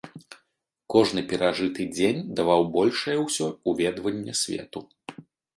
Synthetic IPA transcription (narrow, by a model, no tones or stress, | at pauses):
kɔʐnɨpʲɛɾaʐɨt̪ɨd͡zʲenʲd̪avawbɔlʲʂɐjɐwsʲɔuvʲɛd̪vɐnʲːɛsʲvʲɛ̰t̪u